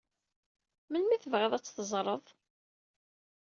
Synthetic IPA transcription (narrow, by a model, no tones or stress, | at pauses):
mənmiθəvʁæðˤæt͡sːθəzˤɾˤəðˤ